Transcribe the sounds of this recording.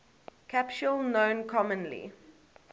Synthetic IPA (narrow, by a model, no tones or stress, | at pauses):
kʰapʃulˠnõʊ̃nkʰɔmə̃nlḭ